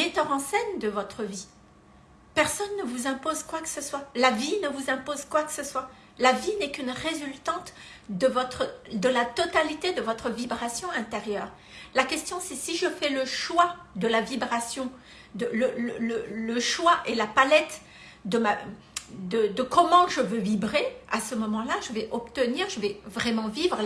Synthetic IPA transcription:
met̪œʁɑ̃sɛnd̪əvɔt̪χəvi | pɛʁsɔnːəvuzɛ̃pozkwakə̥səswalavinəvuzɛ̃pozkwakə̥səswa | lavinɛkynʁezylt̪ɑ̃t̪ | d̪əvɔt̪χəd̪əlat̪ɔt̪alit̪ed̪əvɔt̪χəvibʁasjɔ̃ɛ̃t̪eʁjœːʁ | lakʲɛst̪jɔ̃sɛsiʒəfɛləʃwad̪əlavibʁasjɔ̃ | d̪ələlələləʃwaʔelapalɛt̪ | d̪əma | d̪əd̪əkɔmɑ̃ʒəvøvibʁea̰səmɔmɑ̃laʒəvɛʔɔp̚t̪əniʁʒəvɛvʁɛmɑ̃vivʁə

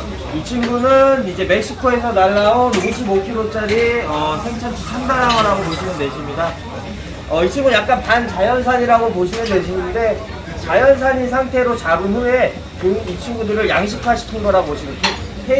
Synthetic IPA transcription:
it͡ɕʰiŋɡunɯnid͡ʑe̞me̞k̚ɕ͈ikʰoe̞sʰʌnaɭːaonuɡɕʰibokʰiɾot͡ɕ͈aɾiʌsʰeŋt͡ɕʰʌnt͡ɕʰut͡ɕʰandanɦaɡʌɾaɡopoɕʰinɯnde̞ɕʰimɲida | ʌit͡ɕʰiŋɡujak͈anpant͡ɕajʌns̬ʰaɲiɾaɡop̬oɕʰinɯnde̞ɕʰinɯnde̞ | t͡ɕajʌnsʰaɲis̬ʰaŋtʰe̞ɾot͡ɕaɾuɦue̞ | poŋit͡ɕʰiŋɡudɯɾɯɭjaŋɕ̬ʰikʰaɕʰi̥kʰinɡʌɾaoɕʰinɯntʰe | pʰe

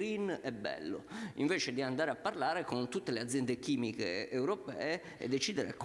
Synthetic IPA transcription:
ɾinɛbːɛ̰lːo̰iɱveːt͡ʃed̪iand̪aːɾeapːarlaːɾekont̪ut̪ːelead̪zjɛnd̪ek̟iːmikḛːwɾopɛ̰ːe | ḛd̪ːet͡ʃiːd̪eɾḛak

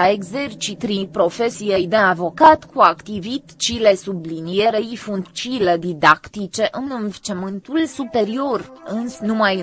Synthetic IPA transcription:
aeɡze̞rt͡ʃit̪ɾipɾo̞fe̞sijejd̪eavo̞kat̪kʰuakt̪ivit̪t͡ʃile̞sublinijeɾeifunt̪t͡ʃiled̪id̪akt̪it͡ʃe̞ʔɨnɨnvet͡ʃemɨnt̪ulsupe̞ɾio̞rɨnsnumaj

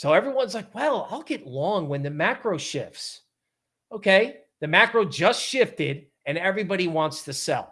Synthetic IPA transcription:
soʊɛvɹiwʌ̃nzlaɪkwɛlˠa̰ɪlˠɡɛtˡlɔ̃ŋwɨ̃nðɨmækɹoʊʃɪ̰fs | oʊkʰeɪ | ðɨmækɹoʊd͡ʒʌstʃɪftɪɾ | ɨ̃nɛvɹibɑɾiwɑ̃ntstʰɨsɛ̰lˠ

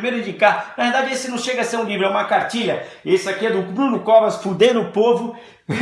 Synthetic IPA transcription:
mejɾʊĩd͡ʒikanɐheɾd̪ad͡ʒɪesɪnɐ̃w̃ʃeɡɐaseɾũlivɾʊɛũmɐkaɾt͡ʃiʎɐesɪakiɛd̪ʊbɾũnʊkɔvɐsfud̪ẽɾʊʊpovʊ

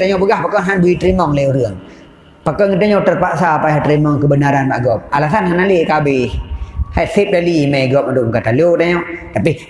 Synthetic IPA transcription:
t̪aɲɔʔpəɡahpakɔnɦanbuit̪ɾimɔŋlɛuɾɨəŋ | pakɔŋət̪aɲɔʔt̪ərpaʔsapaɦat̪ɾimɔŋkəbənaɾanbaʔɡɔp̚alasanɦanaliʔkabɪhhat̪̚sip̚dalimajɡɔp̚ad̪uʔməkat̪alot̪aɲɔʔt̪api

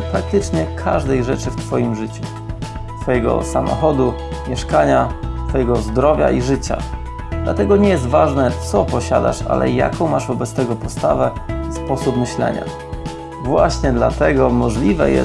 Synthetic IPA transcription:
pɾak̚t̪ɘt͡ʂɲɛkʰa̰ʐd̪ɛjʐɛt͡ʂɘft̪fɔjimʐɘt͡ɕu | t̪fɔjɛɡɔ̰samɔ̰xɔd̪umʲjɛʂkaɲat̪fɔjɛɡɔzd̪ɾɔvʲja̰ʔiʐɘt͡ɕa̰ | d̪lat̪ɛɡɔɲɛjɛs̬t̪vaʐnɛt̪sɔpɔɕa̰d̪a̰ʂa̰lʔɛ̰ja̰kɔ̃w̃maʐvɔbɛt̪st̪ɛɡɔpɔst̪avɛspɔsupmɘɕlɛ̰ɲa̰ | vwaɕɲɛd̪lat̪ɛɡɔmɔʐlʲivɛ̰jɛ̰

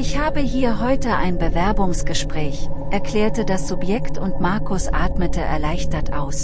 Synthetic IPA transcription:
ʔɪçhaːbəɦiːɐɦɔʏtəʔa̰ɪnbəvɛɐbʊŋsɡ̥əʃpʁ̥ɛːçʔɛɐkl̥ɛːɐtədasz̥ʊpjɛktʰʊntmaɐkʰʊsʔa̰ːtmətʰəʔɛ̰ɐlaɪçtɐtʔa̰ʊs

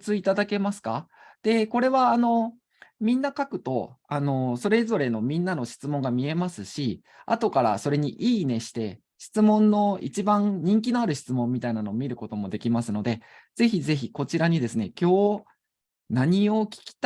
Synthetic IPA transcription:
t͡sɨit̪ad̪ake̞masɨ̥ka | d̪̥e̞ko̞ɾe̞βaːno̞ | mʲĩnːakakɯ̟̥t̪o̞̰ano̞so̞ɾe̞zo̞ɾe̞no̞mʲĩnːano̞ɕi̥t͡sɨmõ̞ŋɡamʲie̞masɨɕi | a̰t̪o̞kaɾa̰so̞ɾe̞ɲ̟iʔiːne̞ɕi̥t̪e̞ | ɕi̥t͡sɨmõ̞nːo̞ḭt͡ɕibãnɲ̟ĩŋkʲinoaɾɯ̟ɕi̥t͡sɨmõ̞mːʲit̪ainano̞ːmʲiɾɯ̟ko̞t̪o̞mo̞d̪e̞kʲimasɨno̞d̪e̞ | z̥e̞çize̞çiko̞t͡ɕiɾaɲ̟id̪e̞sɨne̞kʲo̞ː | naɲ̟io̞kʲi̥kʲi̥t̪

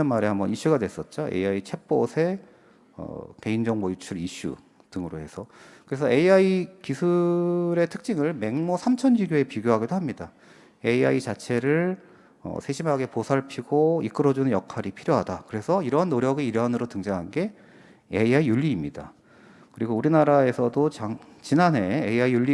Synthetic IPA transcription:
anmaɾehambʌ̰niɕ͈uɡadwe̞s͈ʌt̚t͡ɕ͈oe̞̰iait͡ɕʰe̞p͈osʰe̞ | ʌ̰ke̞ind͡ʑʌŋbojut͡ɕʰuɾiɕ͈ṵ | tɯŋɯɾohe̞sʰʌkɯɾe̞sʰʌe̞iaikisʰuɾe̞tʰɯ̥k̚t͡ɕ͈iŋɯɭme̞ŋmosʰamt͡ɕʰʌnd͡ʑiɡjoe̞piɡjoɦaɡidoɦamɲida | e̞iait͡ɕat͡ɕʰe̞ɾɯɭ | ʌ̰sʰe̞ɕʰimɦaɡe̞posʰaɭpʰiɡoik͈ɯɾʌd͡ʑunɯnjʌkʰaɾipʰiɾjoɦadakɯɾe̞sʰʌiɾʌɦanːoɾjʌɡiiɾʌɦanɯɾotɯŋd͡ʑaŋɦanɡe̞ | eiaijuʎːiːmɲida̰ | kɯɾiɡouɾinaɾae̞sʰʌdot͡ɕaŋ | t͡ɕinane̞eiaiuʎːi

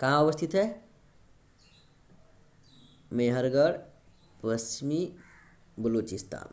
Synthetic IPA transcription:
kãəbəst̪ʰit̪ɦe | meɦəɾɡəɽ | pəst͡ʃmi | bəlut͡ʃist̪a̰ːn

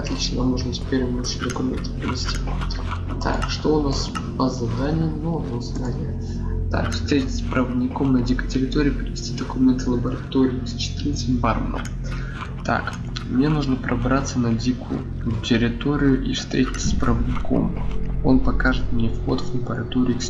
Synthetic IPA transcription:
ɐt̪lʲit͡ɕnəamnuʐnbɨtʲpʲeɾvəbɨʂɨd̪əkʊmʲent̪ɨ̥pɾʲɪvʲɪsʲtʲi | t̪a̰kʂt̪oʊnas | pəzɐd̪anʲɪjənonozɐd̪anʲɪjə | t̪a̰kfst̪ɾʲetʲɪt̪ʲspɾʔəvəd̪ʲnʲɪko̞mnɐdʲikʊtʲɪɾʲɪt̪o̞ɾʲɪːpɾʲɪvʲɪsʲtʲid̪əkʊmʲent̪ɨlˠəbəɾɐt̪o̞ɾʲɪɪst͡ɕɪ̥t̪ɨɾnt̪sətʲbarmə̰nə̰m | t̪a̰k | mnʲe̞nuʐnəpɾʔɐbɾat̪sənɐdʲikʊ̰jʊ | tʲɪɾʲɪt̪o̞ɾʲɪjʊʔifst̪ɾʲetʲɪ̥t͡sʲspɾɐvdʲnʲɪkʰo̞̰mo̞̰npɐkaʐɨt̪mnʲefxo̞̰t̪vlˠəbəɾɐt̪o̞ɾʲɪ

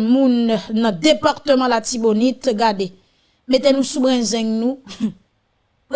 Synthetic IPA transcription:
mũnnãdepaʁt̪əmãlat̪ibonitɡade | metɛ̃nũsubʁɛ̃zɛ̃ŋnũ

